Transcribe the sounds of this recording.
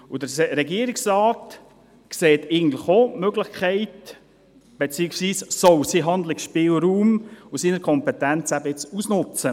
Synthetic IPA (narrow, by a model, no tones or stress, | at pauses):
ʊdəɾɛɡiəɾɪksraːt | kseːtɪɡn̩dlɪχomøɡlɪχkʰɛɪt | b̥et͡siːəksʋiːssɔwsiɦɑnd̪lɪkʃpɪːlɾuːmʊsiːnəɾkʰɔmpɛtɛnt͡sæbəɪt͡susnʊt͡sə